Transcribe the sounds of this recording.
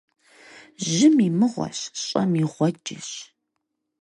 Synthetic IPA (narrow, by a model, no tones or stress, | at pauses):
ʒɪmimɨʁʷɔ̰ɕɕʼɐmiʁʷɔd͡ʒɪɕ